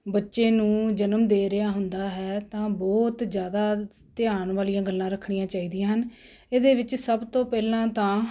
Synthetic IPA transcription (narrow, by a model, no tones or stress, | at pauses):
bətːʃeːnũːd͡ʒənəmd̪eːɾɪaːɦʊnd̪aːɦɛːt̪ãːbɔːt̪d͡ʒjaːd̪aː | t̪ɪaːnʋaːlijãːɡəlːãːɾəkʰːɳɪjãːt͡ʃaːiːd̪ijãːɦən | eːd̪eːʋɪt͡ʃsəbt̪õːpɛːlãːt̪ãː